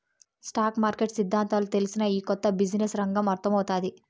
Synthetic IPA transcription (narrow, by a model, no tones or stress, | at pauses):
sʈaːkmaːɾkeʈsid̪ʱːaːnt̪aːlut̪e̞lisinɐiːkɔt̪ːɐbid͡ʒnesɾɐŋɡɐmɐɾt̪ɐmɐwut̪aːd̪i